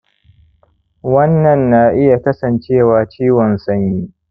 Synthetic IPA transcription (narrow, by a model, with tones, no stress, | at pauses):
wɐ˦nːɐ˨nːa˨ʔɪ˦ja˨kɐ˦sɐ˨nt͡ʃeː˦˨waː˨t͡ʃiː˦wɔ˨nsɐ˦ɲjiː˦